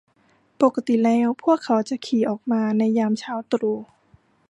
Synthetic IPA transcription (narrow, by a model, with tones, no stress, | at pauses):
po˨˩kːa˧t̪i˨˩lɛː˧˥˩wpʰu˥˩əkʰːa˩˥wt͡ɕa˨˦kʰiː˨˩˦ʔɔː˨˩k̚maː˧na˧jːaː˧mt͡ɕʰaː˧˥wt̪ɾuː˧˩